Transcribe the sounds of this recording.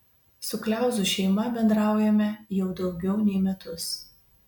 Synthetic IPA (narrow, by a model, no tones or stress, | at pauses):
sʊklʲæˑʊzʊʃʲɛɪmɐbʲɛnd̪ɾɑˑʊjɛmʲɛjɛʊd̪ɒʊɡʲɛʊnʲɛɪmʲɛt̪ʊs